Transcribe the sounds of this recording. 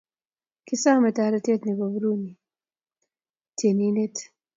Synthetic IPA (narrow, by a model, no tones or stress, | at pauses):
kisaːmet̪aːɾɐt̪et̪nibabɾuni | t̪ʰeninet̪